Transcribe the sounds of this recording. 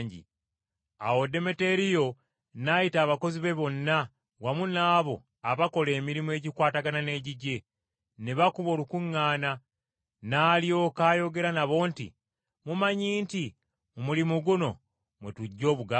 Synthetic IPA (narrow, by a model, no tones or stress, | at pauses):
ɲɟḭ | a̰wo̞de̞me̞te̞ɾijo̞ | najitaːβako̞ziβe̞βo̞nːa | wamunaːβo̞ | aβako̞le̞ːmiɾimwe̞ːɟikwaːtaɡanane̞ːɟiɟe̞ | neβakuβo̞ːlukuŋːaːna | naːlijo̞ːkaːjo̞ɡe̞ɾanaβo̞ːntḭ | mumaɲiːnti | mumulimuɡuno̞ | mwetuɟːo̞ːβuɡa